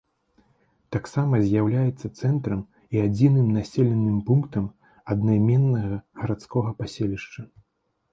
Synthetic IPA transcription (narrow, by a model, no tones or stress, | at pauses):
t̪aksamɐzʲjawlʲajɛt̪sːɐt̪sɛnt̪ɾɐm | iad͡zʲinɨmnasʲɛlʲɛnːɨmpunkt̪ɐm | ɐd̪najmʲɛnːɐɣɐɣɐɾat̪skɔɣɐpasʲelʲiʂt͡ʂɐ